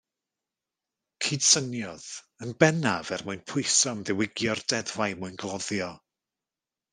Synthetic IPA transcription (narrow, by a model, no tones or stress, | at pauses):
kʰiːd̥sənjɔð | ənbɛnavɛrmʊɨjnpʰʊɨsɔmðɪwɪɡjɔrd̥ɛdvajmʊɨnɡlˠɔðjɔ